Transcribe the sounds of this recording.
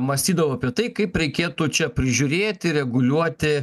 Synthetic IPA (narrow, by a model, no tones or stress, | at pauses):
mɐsʲt̪ʲiːd̪ɐʋoɐpʲiɛt̪ɐɪkɐɪpɾʲɛɪkʲeːt̪ʊt͡ʃʲɛpʲɾʲɪʒʲʊɾʲeːt̪ʲɪɾʲɛɡʊlʲuɔt̪ʲɪ